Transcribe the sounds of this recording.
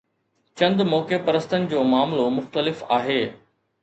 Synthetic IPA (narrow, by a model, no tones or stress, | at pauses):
t͡ɕɐ̃nd̪mɔːkepɐɾəst̪ənɪ̆d͡ʑoːmaːmlomʊxt̪əlɪfaːɦeː